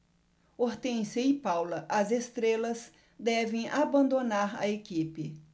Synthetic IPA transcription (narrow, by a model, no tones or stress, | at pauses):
oɾt̪ẽsɐipawlɐʔɐzest̪ɾelɐz | d̪ɛvẽj̃ʔabɐ̃nd̪onaɾɐ̰ekipɪ